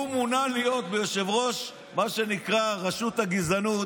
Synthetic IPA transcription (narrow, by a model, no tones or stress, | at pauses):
umunalijo̞t̪̚bejoʃevʁo̞ʃ | maʃe̞nikʁaʁaʃut̪haɡizanu